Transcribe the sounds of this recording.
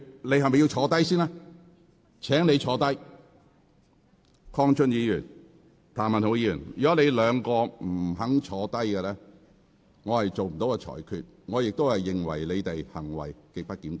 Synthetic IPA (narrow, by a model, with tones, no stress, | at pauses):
le˧jhɐ˨˩jmɐ˨jːi˧wt͡ʃʰɔː˨˧t̪ɐ˥jsiː˥naː˥ | t͡ʃʰɛː˨˥ŋne˨˧jt͡ʃʰɔː˨˧t̪ɐ˥j | kʰɔː˥ŋt͡ʃʰɵ˥njiː˨˧jyː˨˩n | t̪ʰaː˨˩nmɐ˨nho˧wjiː˧jy̰ː˨˩njyː˨˩ɐ˥le˨˧jlœː˨˧ŋkɔː˧m̩˨˩˨ɦɐ˨˥ŋt͡ʃʰɔː˨˧t̪ɐ˥jkɛ˧lɛː˥ | ŋɔː˨˧hɐ˨jt͡so˨wm̩˨˩t̪o˨˥wkɛ˧t͡ʃʰɔ̰ː˨˩jkʰy̰ː˨t̚ | ŋɔː˨˧jɪ˨k̚t̪o˥whɐ˨jːɪ˨ŋwɐ̰˨˩jle˨˧jt̪e˨jhɐ̰˨˩ŋwɐ̰˨˩jke˨˧k̚pɐ˥t̚kiː˨˥mt̪